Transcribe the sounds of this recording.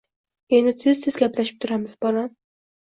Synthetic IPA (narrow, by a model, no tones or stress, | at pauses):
e̞nd̪ɪsɪzsɪzɡʲaplaʃɪ̥p̚t̪ʰʊɾamɪz̥bɒɾa